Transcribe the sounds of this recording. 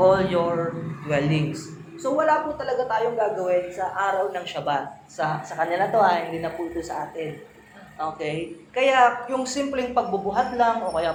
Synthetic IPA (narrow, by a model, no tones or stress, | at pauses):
ʔoljoɹd̪wɛlɪŋs | so̞wɐlaput̪ɐlɐɡat̪aːjoŋɡaːɡɐwɪnsɐʔaːɾɐwnɐŋʃɐbat̪̚ | sɐsɐkɐnɪlat̪oʔɐhɪnd̪ɪnɐpuʔɪt̪osɐʔaːt̪ɪn | ʔoːkɛjkɐjajʊŋsimplɛŋpɐɡ̚bʊbʊɦat̪lɐŋʔo̞kɐja